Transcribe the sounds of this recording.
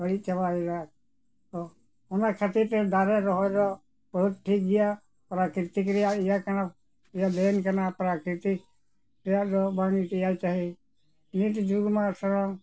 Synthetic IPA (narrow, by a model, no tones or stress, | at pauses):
bəɽit͡ʃabaiɾa | t̪ɔ | ɔnakʰat̪iɾt̪ɛd̪aɾɛɾɔɦɔjɾɔ | bəɦut̪̚ʈʰik̚ɡija | pɾakɾit̪ikɾɛjaijakana | ijab̪ɛnkanapɾakɾit̪ik | ɾɛjad̪ɔbanit̪ɛjajt͡ʃaɦi | niʈ̪ɛd͡ʒuɡmasɔɾɔ